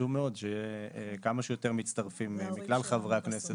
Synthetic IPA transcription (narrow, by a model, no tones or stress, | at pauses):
umeo̞d̪ʃejkamaʃejo̞t̪eʁmitt͡st̪aʁfimmiklalχavʁeaknese